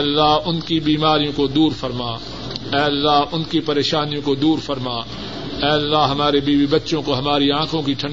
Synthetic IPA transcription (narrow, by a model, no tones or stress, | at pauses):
lːaɦʊnkibiːmaːɾijõkod̪uːɾfɐɾmaː | ɛːɐlːaɦʊnkipɐɾeːʃaːnijõkod̪uːɾfɐɾmaː | ɛːɐlːaɦɦɐmaːɾebiːbibɐtːʃõkoɦɐmaːɾiãːkʰõkiʈʰɐ̃ɳ